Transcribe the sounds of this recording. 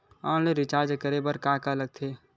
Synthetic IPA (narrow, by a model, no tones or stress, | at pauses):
ãːleɾɪt͡ʃaːɾd͡ʒkəɾebəɾkaːkaləɡ̚t̪ʰeː